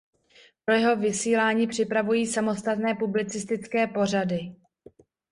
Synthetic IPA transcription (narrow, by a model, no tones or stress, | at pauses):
pɾo̞jɛɦo̞vɪsiːlaːɲiːpr̝̥ɪpɾavujiːsamo̞st̪at̪nɛːpublɪt͡sɪst̪ɪt͡skɛːpo̞r̝adɪ